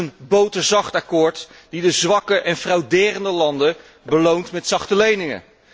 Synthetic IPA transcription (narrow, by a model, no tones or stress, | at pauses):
ənbowtəɹzɑχtakʊːɹt | d̥idəzʋɑkəʔɛnfrɑwdɪːrəndəlɑndə | bəlowntmɛtsɑχtəlejnɪŋə̰